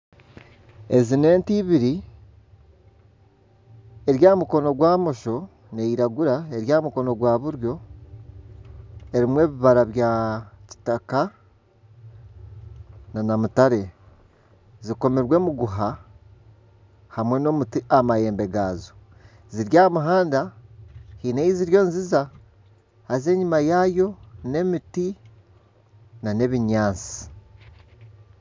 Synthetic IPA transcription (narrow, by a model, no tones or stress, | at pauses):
e̞zine̞ːntiβiɾi | e̞ɾjaːmuko̞no̞ɡwaːmo̞ʃo̞ | ne̞iɾaɡuɾae̞ɾjaːmuko̞no̞ɡwaːβuɾjo̞ | e̞ɾimwe̞ːβiβaɾaβjaci̥taka | nanamutaɾe̞ | ziko̞miɾwe̞ːmuɡuɦa | hamwe̞no̞ːmutiamaje̞ːmbe̞ɡaːzo | ziɾjaːmuɦaːnda | hineiziɾjo̞ːnziza | haze̞ɲimajaːjo̞ne̞miti | nane̞βiɲaːnt͡si̥